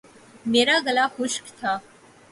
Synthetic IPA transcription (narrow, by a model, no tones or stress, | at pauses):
meːɾaɡəlaxʊʃkt̪ʰa